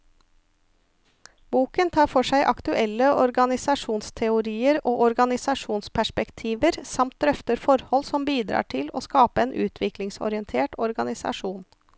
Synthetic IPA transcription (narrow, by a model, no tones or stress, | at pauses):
buːkənt̪ʰɑːɾfɔʂæɪʔɑ̰kt̪ʉʔɛlːəʔɔɾɡɑnɪsɑʂuːnst̪ʰɛʊɾiːəɾoːʔɔɾɡɑnɪsɑʂuːnspʰæʂpɛkt̪ʰiːʋəɾsɑmt̪̚d̪ɾœft̪əɾfɔɾhɔlsɔmbiːd̪ɾɑ̰ːʈʰɪlo̰ːskɑːpəeːnʔʉ̰ːt̪ʰʋɪklɪŋsɔ̰ɾɪənt̪ʰeːʈɔɾɡɑnɪsɑ̰ʂuːn